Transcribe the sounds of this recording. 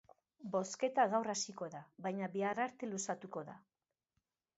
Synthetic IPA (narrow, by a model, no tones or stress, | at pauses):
bo̞ske̞t̪aɣawrasiko̞ðaβajɲaβearaɾt̪e̞lusat̪uko̞ða̰